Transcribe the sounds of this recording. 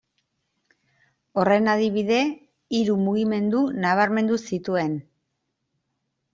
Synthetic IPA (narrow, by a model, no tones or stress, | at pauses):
o̞re̞naðiβiðe̞ | iɾumuɣime̞nd̪unaβ̞aɾme̞nd̪usit̪ue̞n